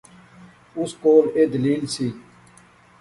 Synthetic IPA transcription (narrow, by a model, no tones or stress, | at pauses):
ʊskoːleːd̪əliːlsiː